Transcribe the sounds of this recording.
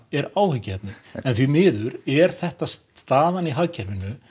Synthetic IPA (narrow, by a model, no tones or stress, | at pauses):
ɛɾaːwhʏcːɪhɛp̪nɪɛnθvimɪːðʏɾɛɾ̥θɛht̪asst̪aːðaniɦaɣcʰɛɾvɪnːʏ